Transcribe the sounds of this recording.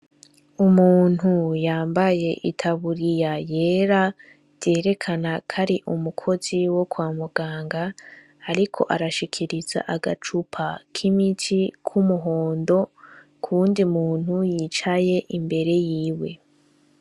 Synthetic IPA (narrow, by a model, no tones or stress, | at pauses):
umuːn̥hujaːmbaje̞ʔitʰaβuɾijaje̞ːɾḁ | je̞ːɾe̞kʰanakʰaɾiʔumukʰo̞ziwo̞kwaːmuɡ̥aːŋɡaː | ɾikʰo̞̰ʔaɾaʃikʰiɾiza̰ʔaɡa̰t͡ʃupʰakʰimitʰikʰumuɦo̞ːndo̞ | kʰuːndimuːn̥hujiːt͡ʃaje̞ʔimbe̞ɾe̞jiːwe̞